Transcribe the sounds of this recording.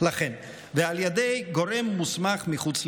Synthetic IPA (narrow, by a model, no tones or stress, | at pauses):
laχen | vealjed̪ejɡo̞ɾe̞mːusmaχmiχut͡s